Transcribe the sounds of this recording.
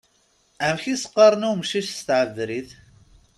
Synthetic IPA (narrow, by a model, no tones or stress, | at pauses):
ʕəmçisə̥qːɑɾˤnumʃiʃst̪ʕəvɾiθ